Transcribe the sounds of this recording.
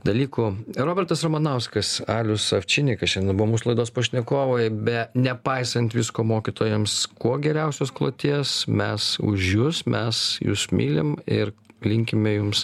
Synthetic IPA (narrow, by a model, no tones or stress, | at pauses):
d̪ɐlʲiːkʊɾoːbʲɛɾt̪ɐsɾɐmɐnɐʊskɐsɑːlʲʊsɐfʲt͡ʃʲɪnʲɪkɐsʃʲɛnd̪ʲɛnbʊʋomuːsʊlˠɐɪd̪oːspoːʃʲnʲɛkoːʋoːjbʲɛnʲɛpɐɪsɐnʲt̪ʲʋʲɪskoːmoːkʲɪt̪oːjɛmskuɔɡʲɛɾʲɛʊsʲoːsklˠo̰ːt̪ʲiɛsmʲɛsʊ̰ʒjʊsmʲʔɛsjṵːsmʲiːlʲɪ̰mɪɾlʲɪŋʲkʲɪmʲɛjʊms